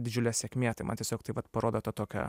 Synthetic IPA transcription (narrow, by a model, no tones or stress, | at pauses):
d̪ʲɪd͡ʒʲʊlʲɛsʲɛːkʲmʲeːt̪ɐɪmɐ̰nt̪ʲɛsʲoːkt̪ɐɪʋɐt̪pɐɾoːd̪oːt̪ɐt̪oːkʲɛ̰